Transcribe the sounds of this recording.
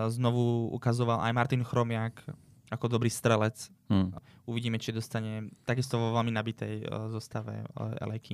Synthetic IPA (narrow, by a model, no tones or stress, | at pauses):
znɔʋuṵkazɔʋalʔa̰jmaɾt̪inxɾɔmɪak | akɔd̪ɔbɾiːst̪ɾɛlɛt͡s | uʋiɟiːmɛt͡ʃid̪ɔst̪aɲɛt̪aɡist̪ɔʋɔʋɛlminabit̪ɛjzɔst̪aʋɛ̰ɛ̰lɛjki